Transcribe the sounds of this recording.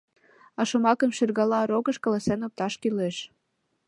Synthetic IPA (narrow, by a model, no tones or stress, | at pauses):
ɑʃomɑkəmʃirɣɑlɑɾoɣəʃkɑlɑsenop̚t̪ɑʃkileʃ